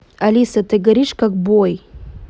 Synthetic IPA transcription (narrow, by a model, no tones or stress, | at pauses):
alisatʰɐɡɐɾiʂkak̚boj